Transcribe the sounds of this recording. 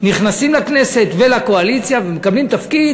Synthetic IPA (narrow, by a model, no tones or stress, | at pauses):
niχnasimlakne̞se̞t̪velako̞alit͡sjavemekablimt̪afkid̪